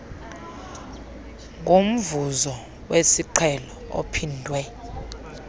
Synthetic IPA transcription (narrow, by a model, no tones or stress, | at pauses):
ŋɡʱom̩vuzɔ | wesiǃʰɛlɔo̰pʰindʱwɛ